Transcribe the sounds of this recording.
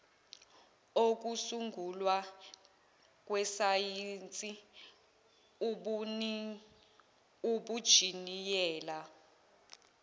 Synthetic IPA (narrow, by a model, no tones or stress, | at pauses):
ok̬usuŋɡʱulwa | k̬ʼwɛsajint͡sʼi | uɓud̥ʒ̥ʱinijɛːla